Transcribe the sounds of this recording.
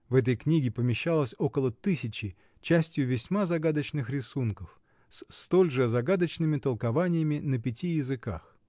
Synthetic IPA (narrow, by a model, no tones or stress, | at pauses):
vɛt̪̬əjknʲiɡʲɪpəmʲɪɕːalˠəsʲo̞kəlˠət̪ɨsʲɪt͡ɕɪ | t͡ɕæsʲtʲjʊvʲɪsʲmazɐɡad̪ət͡ɕnɨxɾʲɪsunkəf | sst̪olʲʐɨzɐɡad̪ət͡ɕnɨmʲɪt̪əlˠkɐvanʲɪjəmʲɪnəpʲɪtʲijɪzɨka̰x